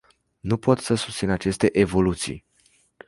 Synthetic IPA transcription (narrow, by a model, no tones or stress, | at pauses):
nupo̞t̪səsu̥st̪sinat͡ʃe̞st̪e̞ʔevo̞lut̪sḭj